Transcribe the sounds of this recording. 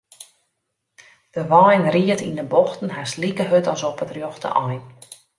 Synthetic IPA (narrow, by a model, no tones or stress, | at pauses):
d̥əʋɔjnriətindəbɔxtn̩ɦaslikəɦøtɔsɔpətrjɔxtə̰ʔɔjn